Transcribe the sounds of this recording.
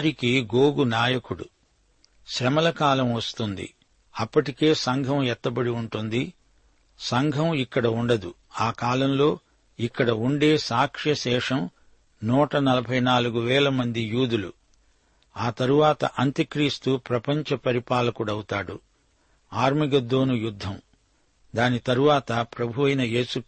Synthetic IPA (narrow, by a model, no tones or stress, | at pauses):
ɾikiɡoːɡunaːjɐkuɽṵ | ʃɾɐmɐlɐkaːlɐmʋɐst̪und̪ḭ | ɐpːɐʈike̞ːsɐŋɡʱɐmɛt̪ːɐbɐɽiuɳʈund̪i | sɐŋɡʱɐmikːɐɽɐuɳɖɐd̪u | aːkaːlɐmlo̞ː | ikːɐɽɐuɳɖe̞ːsaːkʂjɐʃɛːʂɐm | nuːʈɐnɐlɐbʱɐjnaːluɡuʋɛːlɐmɐnd̪ijuːd̪ulṵ | aːt̪ɐɾuʋaːt̪ɐ̰ʔɐnt̪ɐkɾiːst̪upɾɐpɐɲt͡ʃɐpɐɾipaːlɐkuɽɐwut̪aːɽṵ | aːɾmiɡɐd̪ːo̞ːnujud̪ʱːɐm | d̪aːnit̪ɐɾuʋaːt̪ɐpɾɐbʱuʋɐjnɐje̞ːsu